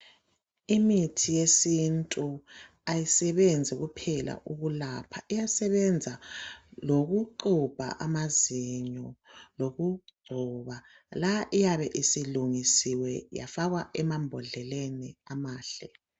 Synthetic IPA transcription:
imitʰijesintʼu | ajisɛβend͡zʱiɣupʰɛla̰ʔuɣulapʰaʔijasɛβɛnd͡zʱaloɣuǃub̥ʱa̰ʔamaziɲɔloɣuɡ͡ǀʱɔβa | laʔijaβɛʔisiluŋisiwɛja̰faɣwaʔɛmambʱɔɮɛleniamaːɬɛ

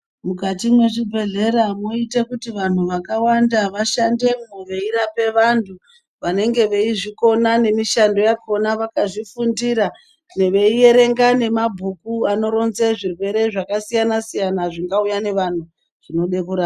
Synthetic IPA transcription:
mukatimwe̞ʐibʱe̞ɮe̞ɾamoitekutiʋan̤uʋakawandaʋaʃande̞mmuʋe̞iɾape̞ʋantʰu | ʋane̞ŋɡe̞ʋe̞iʐiko̞nane̞miʃando̞jakonaʋakaʐifundiɾa | ne̞ʋe̞ije̞ɾe̞ŋɡane̞mabʱukuano̞ɾo̞nze̞ʐirwe̞ɾe̞ʐakasijanasijanaʐiŋɡaujane̞ʋan̤u | ʐ̥ino̞ɗe̞kuɾaːa

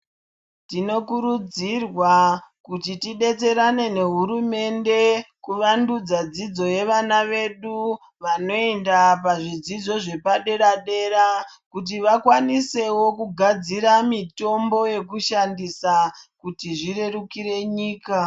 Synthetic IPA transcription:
tino̞kuɾud͡zirwakutitiɗe̞t͡se̞ɾane̞ne̞ɦuɾume̞nde̞kuʋandud͡zad͡zid͡zo̞je̞ʋanaʋe̞ɗu | ʋano̞endapaʐid͡zid͡zo̞ʐe̞paɗe̞ɾaɗe̞ɾa | kut̬iʋakwanise̞wo̞kuɡʱad͡ziɾamito̞mbo̞je̞kuʃandisakutiʐire̞rukiɾe̞ɲiːka

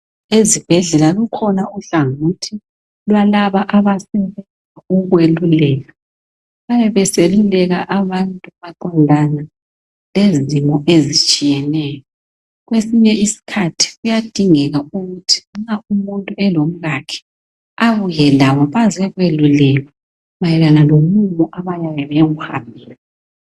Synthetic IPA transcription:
ezib̥ʱɛɮɛlalukʰɔnauɬaŋutʰi | lwalaβaʔaβasɛβɛnd͡zʱauɣwelulɛːɣa | βajɛβɛselulɛɣaʔaβantʼuβaǃandʱana | lezimɔʔezit͡ʃʼijɛnɛːjɔ | ɣwesiɲɛisi̥kʰatʰi̥ɣujad̥ʱiŋɛɣauɣutʰi̥ŋ͡ǁaumuntʼuɛlom̩ɣakʰɛ̥ | aβujɛlaβɔβazɛɣwelulɛɣa | βajɛlanalomumɔʔaβajajɛβɛɣuha̰mbʱiːla

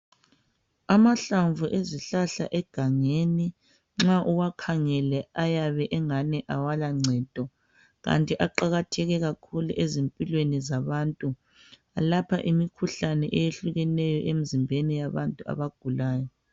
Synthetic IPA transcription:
amaɬaɱvuʔeziɬaɬa̰ʔɛɡ̥ʱaŋeni | ŋ͡ǁaʔuwakʰaŋɛlɛajaβɛʔɛŋanɛʔawalaŋ͡ǀʱɛːd̥ʱɔ | ɣa̰ntʼiʔaǃaɣatʰɛɣɛɣakʰulṵʔezempʼilwenizaβantʼu | alapʰa̰ʔimikʰuɬanɛʔejeɬuɣɛnɛjɔʔem̩zimbʱenijaβantʼua̰βaɡ̥ʱulaːjɔ

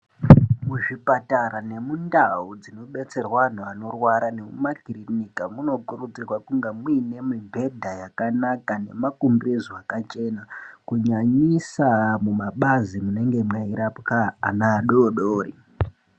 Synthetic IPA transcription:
muʐipataɾane̞mundaud͡zino̞ɓe̞t͡se̞rwan̤uano̞rwaɾane̞mumakirinikamuno̞kurud͡zirwakuŋɡemwine̞mimbʱe̞dʱajakanakane̞̰makumbizwakat͡ʃe̞nakuɲaɲisamumaɓazimune̞ŋɡe̞maiɾapka̰ːnaːɗoɗoːɾi

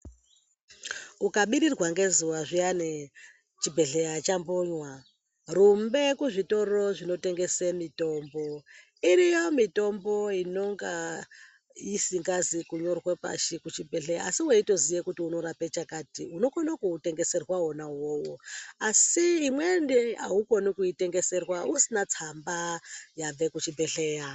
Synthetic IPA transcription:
ukaɓiɾirɣwaŋɡe̞zuwaʐiane | t͡ʃibʱe̞ɮejat͡ʃamboɲwa | rumbe̞kuʐito̞ɾo̞ʐino̞te̞ŋɡe̞semito̞ːmbo̞ | iɾijo̞mito̞mbo̞ino̞ŋɡa | isiŋɡazikuɲo̞rwepa̰ʃikut͡ʃibʱeɬeja̰asiweito̞zijekutiuno̞ɾapet͡ʃakaːtiuno̞konakuːte̞ŋɡe̞se̞rwao̞nawo̞wo̞asiːmwe̞ndea̰uko̞nikuite̞ŋɡe̞se̞rwausinat͡sambajaʋe̞kut͡ʃibʱe̞ɬe̞ja

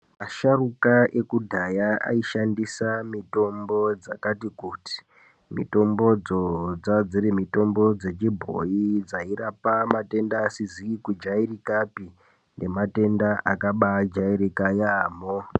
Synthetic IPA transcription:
maʃarukaʔe̞kudʱajaa̰iʃandisamito̞mbo̞d͡zakatikuti̥ | mḭto̞mbo̞d͡zod͡zad͡zirimito̞mbo̞d͡ze̞t͡ʃibʱo̰jid͡zairapamate̞ndaːsiziikud͡ʒairikapi | nde̞mate̞ndaʔakaɓad͡ʒaiɾikajaːmo

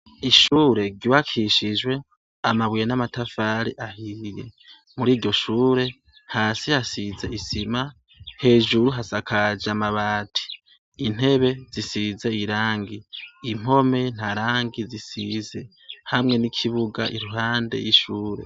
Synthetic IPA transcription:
iʃuːɾe̞ɡiβakʰiʃiʒwe̞ | amaβijenamatafaːɾiʔahije̞̰ | muɾiːɾɟo̞ʃuːɾe̞ | haːsihasize̞isima | he̞ːʒuɾuɦasakʰad͡ʒamaβaːtʰi̥ː | n̥e̞βe̞z̥isize̞iɾaːŋɡiim̥o̞me̞n̥aɾaːŋɡizisize̞ | hamŋe̞nikʰiβuɡa̰ʔiɾuɦaːndḛjiʃuːɾe̞̰

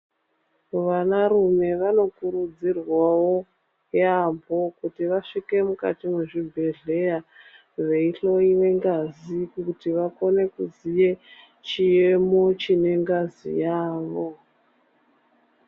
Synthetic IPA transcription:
ʋanarume̞ʋano̞kuɾud͡zirwawo̞ | jambʱo̞kutiʋaʂike̞muka̰timeʐibʱe̞ɮe̞ja | ʋe̞iɬo̞iʋe̞ŋɡazikutiʋako̞ne̞kuzije̞ | t͡ʃijemo̞t͡ʃine̞ŋɡazḭjaːʋo̞

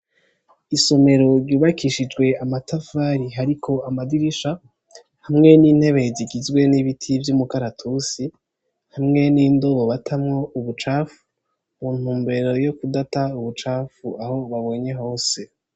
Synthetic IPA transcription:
iso̞me̞ɾo̞ɾɟuːβakiʃid͡ʒɡwe̞amatafaɾiɦaɾikʰo̞amadiɾiʃa | hamŋe̞niːn̥he̞βe̞eziɡizɡwe̞niβitʰivjumukaɾatʰusi | hamŋe̞niːndo̞βoβatʰamŋo̞uβut͡ʃaːfu̥ | muːn̥huːmbe̞ɾo̞jo̞kudatauβut͡ʃaːfuaho̞βaβo̞ːɲe̞ɦo̞ːse̞

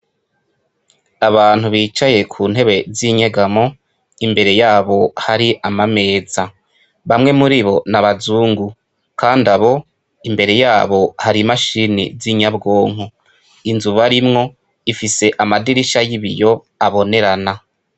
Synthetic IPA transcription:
aβaːn̥huβiːt͡ʃaje̞kʰuːnhe̞βe̞ziɲe̞ɡamo | imbe̞ɾe̞jaːβo̞haɾiʔamame̞ːza | βamŋe̞muɾiβo̞naβazuːŋɡu | kaːndaβo̞ | imbe̞ɾe̞jaːβo̞haɾimaʃiːnḭziɲabɡo̞ːŋ̥u | inzuβaɾimŋo̞ | ifise̞ʔamadiɾiʃajiβijo̞ | aβo̞ne̞ɾana

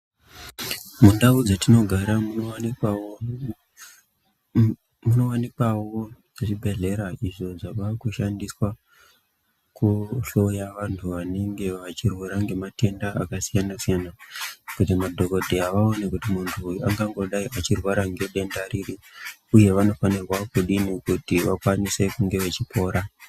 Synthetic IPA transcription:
mundaud͡zatino̞ɡʱaɾamuo | muno̞wanikawo̞ʐ̥et͡ʃibʱe̞ɮe̞ɾaiʐo̞d͡zaʋakuʃandiswa | kuɬo̞jaʋantʰuʋane̞ŋɡe̞ʋat͡ʃirwaɾaŋɡe̞mate̞ndaakasijanasijanakut̬imadʱo̞ko̞dʱiaʋao̞nekutimuntʰuaŋɡaŋɡo̞ɗaiʔat͡ʃirwaɾaŋɡe̞ɗe̞ndaɾiɾiuje̞ʋano̞fanirwakuɗinekutiʋakwanise̞kuŋɡe̞ʋet͡ʃipo̞ːɾa

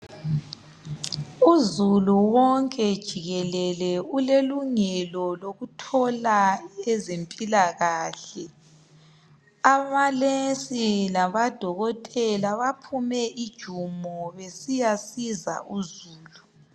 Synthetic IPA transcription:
uzuluwɔŋkʼɛd̥ʒ̥ʱiɣɛlɛlɛuleluŋɛlɔloɣutʰɔlaɛzempʼilaɣaːɬɛ | aβalesilaβad̥ʱɔɣɔtʼɛlaβapʰumɛʔid̥ʒ̥ʱumɔβesijasiza̰ʔuzuːlu

